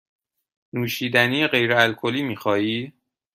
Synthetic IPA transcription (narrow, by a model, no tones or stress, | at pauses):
nuːʃiːd̪æniːjeɢe̞jɾeælkʰoliːmiːxɒːiː